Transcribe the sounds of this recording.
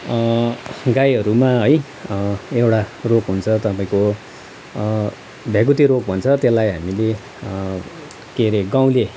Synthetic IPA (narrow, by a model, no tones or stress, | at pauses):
ɡajɦʌɾumaɦʌj | ewʈarokɦunt͡sʰʌt̪ʌpaĩko | bʱaɡut̪iɾok̚bʱʌnt͡sʰʌt̪elːajɦamile | keɾeɡaw̃le